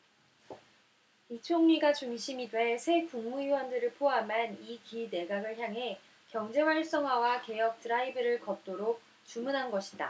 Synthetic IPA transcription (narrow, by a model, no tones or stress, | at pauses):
it͡ɕʰoŋɲiɡat͡ɕuŋɕʰimidwe̞sʰe̞kuŋmuiwʌndɯɾɯɭpʰoamanikine̞ɡaɡɯɭçjaŋɦe̞ | kjʌŋd͡ʑe̞waɭs͈ʌŋwawake̞jʌk̚t͈ɯɾaibɯɾɯɭkʌt̚t͈oɾok̚ | t͡ɕumunɦanɡʌɕʰida̰